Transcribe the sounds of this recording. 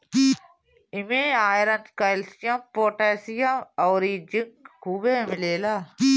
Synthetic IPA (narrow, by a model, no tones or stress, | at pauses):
ɪmẽːaːjɾɐnkɐɪlsjãmpoːʈeːsijãɔːɾid͡ʒɪŋkkʰuːbeːmɪleːlaː